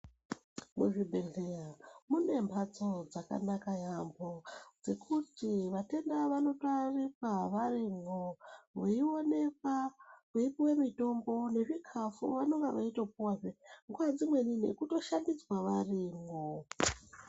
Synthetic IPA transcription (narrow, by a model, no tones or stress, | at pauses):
muʐibʱe̞ɮeramune̞mbʱat͡so̞d͡zaka̰nakajambo̞d͡ze̞kʰutiʋate̞ndaʋano̞toarikwaʋarimoweione̞k̚akeipiwemito̞mbo̞ne̞ʐikʰafuʋano̞ŋɡaʋaitop̚uwaʐeŋɡwad͡zimwe̞nine̞̰kuto̞ʃandid͡zwaʋarimo